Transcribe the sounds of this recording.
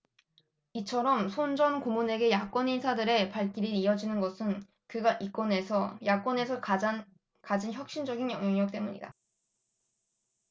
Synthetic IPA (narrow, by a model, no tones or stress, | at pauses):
it͡ɕʰʌɾʌmsʰond͡ʑʌnkomune̞ɡe̞jak͈wʌninsʰadɯɾe̞paɭk͈iɾiɾiʌd͡ʑinɯnɡʌsʰɯn | kɯɡaʔik͈wʌne̞sʰʌjak͈wʌne̞sʰʌkad͡ʑan | kad͡ʑinçjʌk̚ɕ͈ind͡ʑʌɡinjʌŋɦʌŋjʌk̚t͈e̞muɲḭda̰